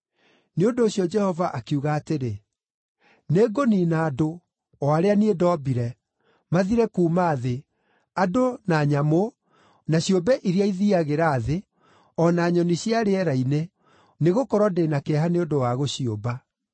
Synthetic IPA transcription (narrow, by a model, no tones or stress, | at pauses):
neondoːɕiɔd͡ʒɛhɔvaʔakiuɣaːteɾe | neːɡoninaːdo | ɔaɾeaniedɔːbiɾɛ | maðiɾɛkuːmaːðe | adonaɲamo | naɕiobɛʔiɾiaiðiaɣeɾaːðe | ɔnaːɲɔniɕiaɾeɛɾaine | neɣokɔɾɔdenakɛɦaneondowaɣoɕioba